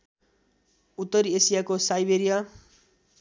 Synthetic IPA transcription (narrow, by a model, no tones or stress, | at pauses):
ut̪ːʌɾiesijakosajbeɾija